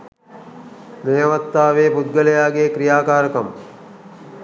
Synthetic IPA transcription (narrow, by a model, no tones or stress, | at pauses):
meːɐʋɐt̪ːaːʋeːpud̪ɡəlejaːɡeːkɾijaːkaːɾəkɐm